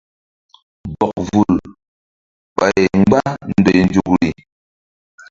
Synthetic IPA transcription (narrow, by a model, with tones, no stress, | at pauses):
bɔ˨k̚vu˨l | ɓa˨je˨ŋ͡mɡ͡ba˦n̩˨dɛ˨n̩˨d͡ʒu˨k̚ɾi˨